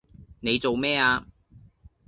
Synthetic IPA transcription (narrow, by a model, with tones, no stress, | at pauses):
ne˨˧jt͡so˨wmɛː˥aː˧